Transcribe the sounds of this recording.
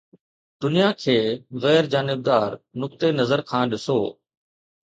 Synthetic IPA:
d̪̥ʊnijakʰeːɣɛːɾd͡ʑaːnɪb̚d̪aːɾnʊk̚t̪enɐzəɾkʰãːɗɪsoː

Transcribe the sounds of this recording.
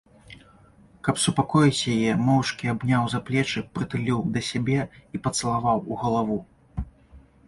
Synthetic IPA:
kɐpsupakɔjit͡sʲjajɛmɔwt͡ʂkʲiabnʲawzaplʲɛt͡ʂɨpɾɨt̪ɨlʲiwd̪ɐsʲabʲɛipɐt̪sɐlˠavawuɣɐlˠavu

